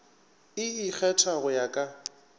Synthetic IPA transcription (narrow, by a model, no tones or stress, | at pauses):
ɪɪk͡xʰɛtʰaɣʊjakʼa